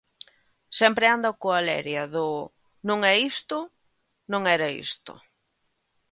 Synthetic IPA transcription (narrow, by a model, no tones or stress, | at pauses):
sɛmpɾɪand̪ɐkoalɛ̰ɾjɐðʊ | nõŋɛist̪ʊ | nõŋɛɾɐḭst̪ʊ̰